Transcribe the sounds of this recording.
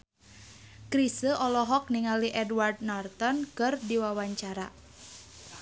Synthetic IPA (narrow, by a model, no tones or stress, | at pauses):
kɾisəʔɔlɔɦɔk̚niŋaliʔɛdward̚nart̪ɔnkɨrdiwawaɲt͡ʃaɾa̰